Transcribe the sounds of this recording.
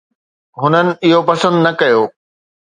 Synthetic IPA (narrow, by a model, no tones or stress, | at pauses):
ɦʊnənɪ̆ɪɦopɐsə̃nd̪nɐkɐjoː